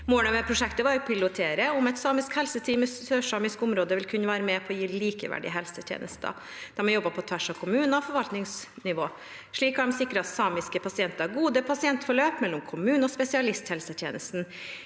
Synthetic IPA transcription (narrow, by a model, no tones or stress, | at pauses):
moːɳəmɛpʰɾʊʂɛkt̪əʋɑɾjʊpʰɪlʊt̪ʰeːɾəʊmɛt̪sɑːmɪskhɛlsət̪ʰiːməssøːʂɑːmɪskʊmɾoːd̪əʋɪlkʰʉnːəʋæːɾəmɛpʰɔɔjiːliːkəʋæ̰ɖɪ̰əɦɛlsət̪ʰjḛːnəst̪ɑ̰ | d̪̥ɑmɑnjɔbːəpʰɔt̪ʰʋæʂɑʋkʰʊmʉːnɑfɔɾʋɑlt̪nɪŋsnɪʋoː | ʂɭiːkɑɖɛmsɪkːɾəɑt̪sɑːmɪskəpʰɑsɪɛnt̪əɾæɾɡuːd̪əpʰɑsɪɛnt̪fɔɭøːpmɛlːɔmkʰʊmʉːnəɔspɛsɪɑlɪst̪hɛlsət̪ʰjḛːnəst̪n̩